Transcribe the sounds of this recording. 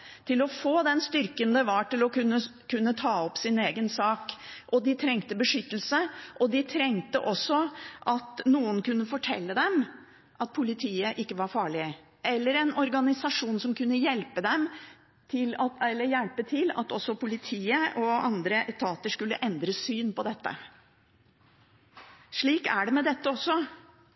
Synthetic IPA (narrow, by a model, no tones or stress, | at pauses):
t̪ʰɪlɔfoːd̪ɛnst̪ʏɾkənd̪ɛʋɑʈɪlɔkʉnːəkʰʉnːət̪ʰɑːɔpsɪneːɡənsɑːkʔɔd̪ɪt̪ʰɾɛŋt̪əbəʂʏt̪ːəl̩səʔɔd̪ɪt̪ʰɾɛŋt̪ə̰ʔɔsːɔʔɑt̪nuːənkʉnːəfɔʈʰɛ̰lːəd̪ɛm | ʔɑt̪̚pʰʊlɪt̪ʰiːəʔɪkːəʋɑɾfɑːɭɪ | ɛlːəɾɛnɔɾɡɑnɪsɑʂuːnsɔmkʉnːəjɛlpəd̪ɛm | t̪ʰɪlɑɛlːəjɛlpət̪ʰɪlɑ̰t̪ɔsːɔpʰʊlɪt̪ʰiːəʔɔɑnd̪ɾəʔɛt̪ʰɑːt̪əʂkʉlːə̰ʔɛnd̪ɾəsyːnpɔd̪ɛt̪ːə̰ | ʂɭiːkæ̰ɖɛmɛd̪ɛt̪ːəɔsːɔ